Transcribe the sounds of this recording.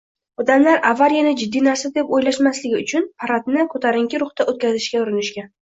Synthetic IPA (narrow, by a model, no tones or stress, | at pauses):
ɒd̪amlaɾavːaɾjanɪd͡ʒɪd̪ːijnaɾsad̪epojlaʃmaslɪɡʲɪʊt͡ʃʰʊnpʰaɾat̪nɪkʰɵt̪ʰaɾɪŋkʲɪɾʊχt̪aʔot̪̚kʲazɪʃkʲaʊɾɪnɪʃkʲa